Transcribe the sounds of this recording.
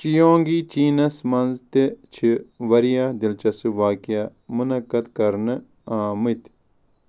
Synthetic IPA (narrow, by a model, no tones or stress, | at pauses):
t͡ʃijõːŋɡit͡ʃiːnɐsmɐnzt̪it͡ʃʰiʋɐɾijad̪ilt͡ʃɐsuʋaːkijamunɐkːɐd̪kɐɾnɨ | ãːmit̪